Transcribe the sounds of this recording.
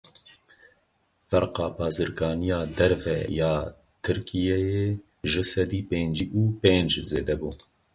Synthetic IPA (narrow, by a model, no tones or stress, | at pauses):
fɛɾqɑːbɑːzɨɾɡɑːnijɑːd̪ɛɾvɛ̰jɑː | t̪ʰɨɾkʰijɛje | ʒɨsɛd̪iːpeːnd͡ʒiʔuːpeːnd͡ʒzeːd̪ɛbuː